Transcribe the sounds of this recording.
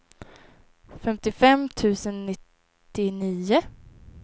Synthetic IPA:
fɛmt̪ɪfɛmt̪ʰʉ̟ːsənnɪt̪ː | ɪniːʊ

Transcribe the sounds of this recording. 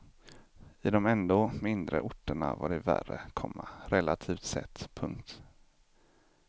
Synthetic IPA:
ɪd̪ɔmɛnd̪oːmɪnd̪ɾə̰ʔʊʈːəɳavaɖɛvæ̰rəkʰɔmːaɾɛlat̪ʰiːft̪sɛ̰t̪ːpʰɵŋkt̪

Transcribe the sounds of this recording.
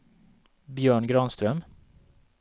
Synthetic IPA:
bjøːɳɡɾɑːnst̪ɾœm

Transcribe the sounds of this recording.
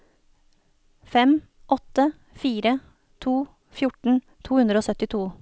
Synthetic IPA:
fɛm | ʔɔt̪ə | fiːɾə | t̪ʰuː | fjʊʈɳ̩ | t̪ʰuːhʉnd̪ɾəoːsœt̪ɪt̪ʰuː

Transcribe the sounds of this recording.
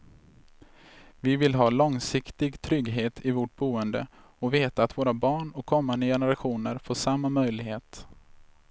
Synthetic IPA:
vɪvɪlɦɑːlɔŋsɪkt̪ɪɡt̪ʰɾʏɡɦeːt̪ʰɪvoʈ̚buːənd̪ə̰ | ɔveːt̪aːt̪voːɾabɑːɳɔkʰːɔmːand̪əjɛnəɾaɧuːnəɾfoːʂamːamœjlɪɡheːt̪

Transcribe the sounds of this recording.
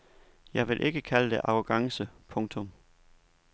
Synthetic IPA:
jɑ̈ɪʋe̝lʔe̝ɡ̥əkʰæləd̥e̝ʔɑ̈ʊɡ̥ɑ̈ŋsəpʰɔ̽ŋt͡sʰɔ̽m

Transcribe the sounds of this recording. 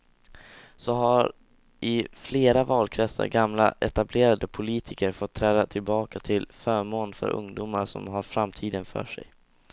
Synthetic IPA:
sɔɦaɾ | ʔɪfleːɾavɑːlkʰɾɛsə̰ɾɡamla̰ʔɛt̪ableːɾad̪əpʰʊliːt̪ʰɪkəɾfɔt̪ʰːɾɛːd̪at̪ʰɪlbɑːkat̪ʰɪlfœːɾmoːnfœ̰ɾʔɵ̰ŋd̪uːmaɾʂɔ̰mɦaɾfɾamːt̪ʰiːd̪ənfœ̰ːʂɛ̰j

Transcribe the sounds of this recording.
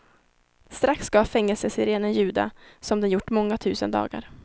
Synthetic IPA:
st̪ɾaksɡ̥ɑːfɛŋːəlsəsɪɾeːnənjʉ̟ːd̪a̰sɔmd̪ɛnjʊʈːmɔŋːat̪ʰʉ̟ːsənd̪ɑ̰ːɡa̰ɾ

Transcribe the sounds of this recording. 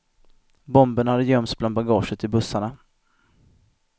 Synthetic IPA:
bɔmbənhad̪əjœmt̪sblan̚baɡɑːʂət̪ɪbɵsːaɳa

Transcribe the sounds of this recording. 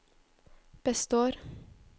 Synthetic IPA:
b̥ɛst̪oːɾ

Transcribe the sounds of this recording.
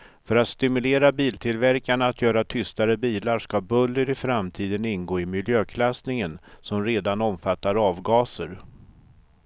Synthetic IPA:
fœɾat̪st̪ɪmɵleːɾabiːlt̪ʰɪlvæɾkaɳaːt̪ʰjœːɾat̪ʰʏst̪aɾəbiːlaɾʂkabɵlːəɾɪfɾamt̪ʰiːd̪ənɪnɡoːɪmɪljøːkʰlasnɪŋənsɔmɾeːd̪anɔmfat̪ːaɾɑːvɡɑːsə̰ɾ

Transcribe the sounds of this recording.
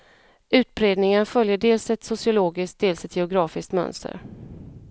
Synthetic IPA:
ʉ̟ːt̪̚bɾeːd̪nɪŋənfœljəɖeːlsɛt̪sʊsɪʊloːɡɪsk̚d̪eːlsɛt̪ʰjɛʊɡɾɑːfɪskt̪mœ̰nst̪ə̰ɾ

